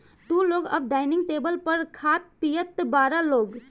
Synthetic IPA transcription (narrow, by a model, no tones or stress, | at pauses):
t̪ũloːɡə̰b̚ɖaːɪnɪ̃ŋɡʈeːbəlpəɾkʰaːt̪̚pijət̪baːɾaloːɡ